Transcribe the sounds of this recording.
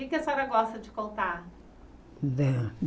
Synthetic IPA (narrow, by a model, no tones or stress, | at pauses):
ɪkɛsaɾɐɡɔst̪ɐd͡ʒɪkõnt̪a | d̪ɛ